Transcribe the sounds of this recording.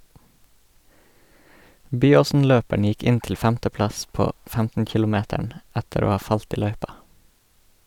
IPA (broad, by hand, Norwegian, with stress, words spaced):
ˈbyːoːsn̩ˌløːpæɳ ˈjɪk ˈɪn ˈtɪl ˈfæmtəˌplɑs ˈpoː ˈfæmtn̩ ˈkɪlʊˌmeːtæɳ ˈætəɾ ˈoː ˈhɑː ˈfɑlt ˈiː ˈlœʏpɑ